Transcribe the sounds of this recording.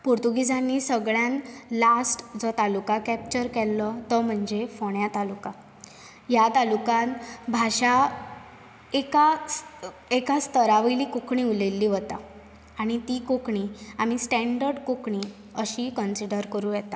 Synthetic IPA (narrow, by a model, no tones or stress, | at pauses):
puɾt̪uɡid͡zanːiːsəɡɭjãnlasʈd͡zɔt̪alukakɛp̚t͡ɕəɾkɛlːɔt̪ɔm̤əɳd͡zefoɽjat̪aluka | jat̪alukãnbʱaɕa | eka | ekast̪əɾaʋəjliːkokɳiːulelːiːʋət̪aː | ɽ̃it̪iːkokɳiːamisʈɛ̃ɳɖəɾɖkokɳiː | əɕiːkənsiɖəɾkəɾuːjɛt̪a